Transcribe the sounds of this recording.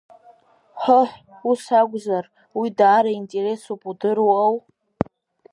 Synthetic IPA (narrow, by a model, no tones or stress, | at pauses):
ħʷəħʷ | usaɡʷʼzar | widaːɾaintʼe̞re̞supʼudɨruaw